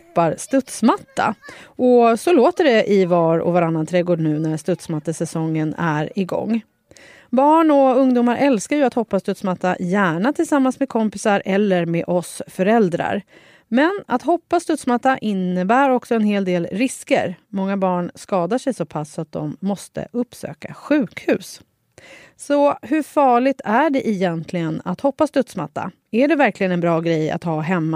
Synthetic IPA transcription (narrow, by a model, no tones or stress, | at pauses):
pːaɾst̪ɵt̪smat̪ʰːa̰ʔɔsɔloːt̪əɖɛʔɪvɑːɾɔ̰vaɾanːant̪ʰɾɛːɡoːd̪nʉ̟ːnæɾst̪ɵt̪smat̪ːasɛsɔŋːənæɾɪɡɔ̰ŋː | bɑːɳɔɵŋd̪uːmaɾʔɛlskaɾjɵat̪hɔpːast̪ɵt̪smat̪ːa̰jæːɳat̪ʰɪlsamːansmɛkʰɔmpɪsaɾʔɛlːəɾmeʔɔsfœɾɛld̪ɾa̰ɾ | mɛnat̪hɔpːast̪ɵt̪smat̪ːaʔɪnːəbæːɾɔksɔɛnheːld̪eːlɾɪskə̰ɾmɔŋːabɑːɳskɑːd̪aʂɛjsɔpʰasːat̪̚d̪ɔ̰mːɔst̪ə̰ʔɵpːsø̰ːkaɧʉ̟ːkhʉ̟ːs | sɔhɵfɑːɭɪɡ̚t̪ʰæɖɛʔɪjɛnt̪ʰlɪɡəna̰t̪hɔpːast̪ɵt̪sma̰t̪ːa̰ | æɖɛvæɾklɪɡənɛnbɾɑːɡɾɛjːa̰t̪hɑːɦɛmːa